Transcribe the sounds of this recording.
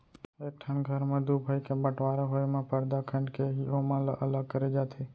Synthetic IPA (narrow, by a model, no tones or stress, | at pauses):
ek̚ʈʰənɡʱəɾmãd̪ubʱajkebəʈʋaɾaɦojmãpəɾd̪akʰəɳɖkeɦiomãləʔələɡ̚kəɾed͡ʒat̪ʰe